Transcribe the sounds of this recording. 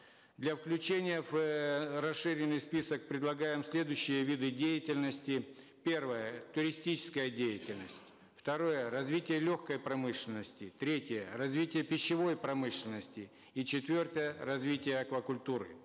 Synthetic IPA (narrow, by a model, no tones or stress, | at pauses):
d̪lʲɐfklʲʉt͡ɕenʲɪjəvrɐsʂɨɾʲɪnːɨjspʲisək̚pɾʲɪd̪lˠɐɡajɪmsʲlʲe̞d̪ʊjɕːɪjəvʲid̪ɨdʲejɪtʲɪlʲnəsʲtʲɪ | pʲe̞rvəjət̪ʊɾʲɪsʲtʲit͡ɕɪ̥skəjədʲejɪtʲɪlʲnəsʲtʲ | ft̪ɐɾo̞jərɐzvʲitʲɪjəlʲoxkəjpɾɐmɨʂlʲɪnəsʲtʲɪt̪ɾʲetʲɪjərɐzvʲitʲɪjəpʲɪɕːɪvo̞jpɾɐmɨʂlʲɪnəsʲtʲɪ | it͡ɕɪt̪vʲo̞rt̪əjərɐzvʲitʲɪjəɐkvəkʊlʲt̪uɾɨ̰